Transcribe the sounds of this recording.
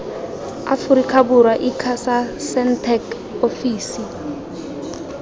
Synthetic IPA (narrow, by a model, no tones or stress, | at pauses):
a̰fuɾikʰabuɾwaʔikʰasasɛntʰɛk | ofiːsi